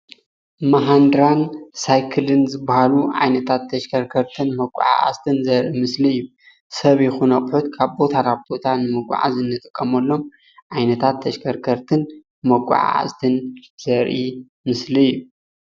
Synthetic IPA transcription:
mɐɦand̪ɾansajkʰɨlɨnzɨbːahaluʕa̰jnɐt̪ʰat̪ʰːɐʃkʰɐɾkʰɐɾt̪ʰɨnmɐkʷʼːṵʕa̰ʔa̰st̪ʰɨnzɐɾʔimɨsliɨjːu | sɐβjɪxunɐχʼħut̪kʰaβbo̞t̪ʰaɾab̚bo̞t̪ʰanɨmɐɡʷʼʊ̰ʕa̰zɨnːɨt̪ʼɨkʼːɐmɐlːo̞m | ʕajnɐt̪ʰat̪ʰːɐʃkʰɐɾkʰɐɾt̪ʰɨn | mɐɡʷʼṵʕa̰a̰st̪ʰɨnz̥ɐɾʔi | mɨsliɨjːu

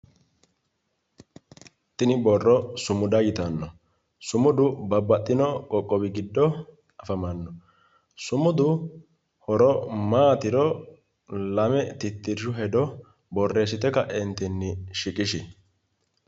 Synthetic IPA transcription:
t̪ɪnɪbɔrːɔsʊmʊd̪ɐjɪt̪ɐnːɔ | sʊmʊd̪ʊbɐbːɐt̪ʼːɪnɔkʼɔkʼːɔbɪɡɪd̪ːɔ | ɐfɐmɐnːɔ | sʊmʊd̪ʊ | hɔɾɔmaːt̪ɪɾɔ | lɐmɛt̪ɪt̪ːɪɾʃʊɦɛd̪ɔ | bɔrːe̞ːs̬ɪt̪ɛkɐʔɛnt̪ɪnːɪʃɪkʼɪʃɪ

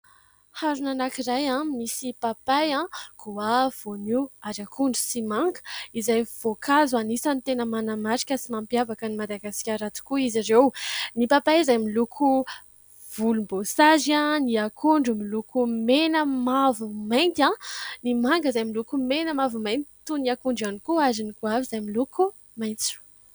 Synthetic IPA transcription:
haɾunanakiɾajãmisipapajãkʰoav̥oniaɾakʰuɳɖ͡ʐusimaŋɡə̥izajv̥okʰazanisanit̪enəmanamaɾikʲəsimampiavakənimad̪aɡasi̥kʲaɾat͡s̪u̥kuiziɾewnipapaizajmilukʰu | v̥ulumbosaʒãniakʰuɳɖ͡ʐumilukumenəmavumajnt̪ãnimaŋɡəzajmilukumenəmavumaj̪t̪i̥t̪uniakuɳɖ͡ʐanikuazinikuavizajmiluku | majnt͡su̥

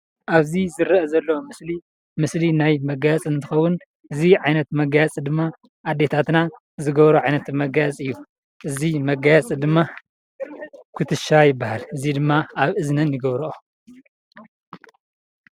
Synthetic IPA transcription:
ʔaβzizɨɾɐʔɐzɐlːɐwomɨsli | mɨslinajmɐɡajat͡sʼɨnt̪ʰɨxɐwːʊn | ʔɨziʕajnɐt̪mɐɡajat͡sʼɨd̪ɨmːa | ʔad̪ːe̞t̪ʰat̪na | zɨɡɐβɾuʕajnɐt̪mɐɡajat͡sʼɨjːu | ʔɨzimɐɡajat͡sʼɨd̪ɨmːa | kʰɨt̪ʰɨʃajɪbːahalʔɨzid̪ɨmːaaβʔɨznɐnjɨɡɐβɾuʔo

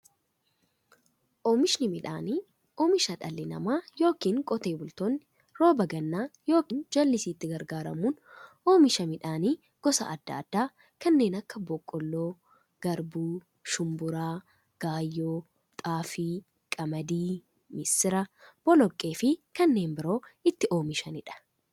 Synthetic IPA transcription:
ʔɔːmɪʃnɪmɪᶑaːniː | ɔːmɪʃɐᶑɐ̰lːɪnɐ̰maːjo̞ːkiːŋkʼɔt̪e̞ːbʊlt̪oːnːɪ | ɾo̞ːbɐɡɐnːaːjo̞ːkiːnd͡ʒɐlːɪsiːt̪ːɪɡɐɾɡaːɾɐ̰muːn | oːmɪʃɐmɪᶑaːniː | ɡ̥ɔsɐ̰ɐd̪̥ːɐːd̪̥ːaː | kɐnːe̞ːnɐkːɐbɔkʼːɔlːoː | ɡ̥ɐɾbuː | ʃʊmbʊɾaː | ɡ̥aːjːoː | t̪ʼaːfiː | kʼɐmɐd̪iː | mɪsɪɾɐb̥ɔlɔkʼːe̞ːfɪkɐnːe̞ːnbɪɾo̞ːɪt̪ːɪʔo̞ːmɪʃɐnɪᶑɐ̥

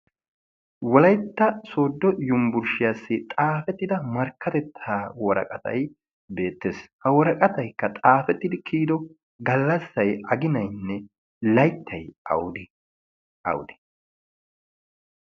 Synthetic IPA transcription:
wɔlɐjt̪ːɐso̞ːd̪ːɔjʊmbʊɾʃɪjasːɪt̪ʼaːfɛt̪ːɪd̪ɐmɐɾkːɐt̪ɛt̪ʰːaːwɔɾɐ̰kʼɐt̪ɐ̰j | be̞ːt̪ːeːshɐwɔɾɐkʼɐt̪ɐjkːɐt̪ʼaːfɛt̪ːɪd̪ɪkʰiːd̪ɔ | ɡɐlːɐsːɐjɐɡɪnɐjnːɛ | lɐjt̪ʰːɐjɐ̰wd̪ | ɐ̰wʊd̪ɪ̥

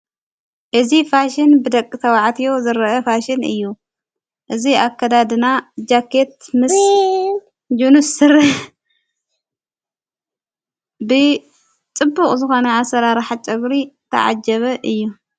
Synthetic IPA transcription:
ʔɨzifaʃɪnbɨd̪ɐkʼːit̪ʰɐwaʕat̪ʰijo̞zɨɾʔɐfaʃɪnɨ̰jːu | ʔɨziakʰːɐd̪ad̪ɨnad͡ʒakʰːet̪̚mɨs | d͡ʒunusɨɾ | bɨ | t͡sʼɨbːuχʼzɨxo̞nɐasɐɾaɾaħat͡ʃʼɐɡɾit̪ʰɐ̰ʕa̰d͡ʒɐβɐʔɨjːu

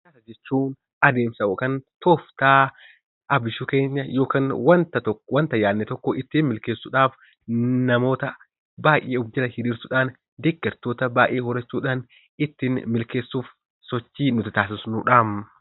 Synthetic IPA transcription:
kɐsɐd͡ʒɛt͡ʃːuːn | ɐd̪eːmsɐʔɔkɐnt̪oːft̪aː | ɐbɪʃʊke̞ːɲːɐjo̞ːkanwɐnt̪ɐt̪ɔwɐnt̪ɐjaːnːɛt̪ɔkːɔʔɪt̪ːiːnmɪlkeːsːʊᶑaːf | nɐmo̞ːt̪ɐ | baːjʔeːɔbd͡ʒɐlɐhɪɾiːɾt̪ʊᶑaːn | d̪ɛɡːɐɾt̪o̞ːt̪ɐbaːʔeːhɔɾɐt͡ʃːuːᶑaːn | ɪt̪ːɪnmɪlke̞ːsːuːf | sɔt͡ʃːiːnʊt̪ɪt̪aːsɪsʊnʊᶑaːm

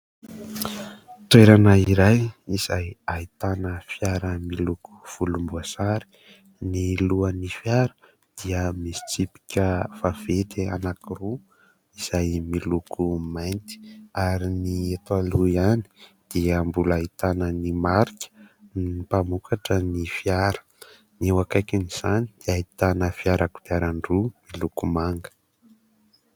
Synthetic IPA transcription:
ʈ͡ʂeɾanəiɾajiz̥ajait̪anəfjaɾəmiluku̥v̥ulumbuasaɾi̥ | niluənifjaɾə̥ | d̪̥iəmisi̥t͡sipi̥kʲəfav̥et̪ea̰nakiru | iz̥ajmilukʰumajnt̪i̥aɾiniet̪waluiani̥d̪̥iəmbulaɦit̪anənimaɾikʲə̥nipamukʰaʈ͡ʂənifiaɾə̥ | niewakajkaniz̥anid̪̥iait̪anəfiaɾaku̥viaɾaɳɖ͡ʐumilukumaŋɡə̥

